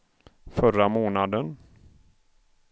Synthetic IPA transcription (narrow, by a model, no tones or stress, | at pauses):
fœramoːnad̪ən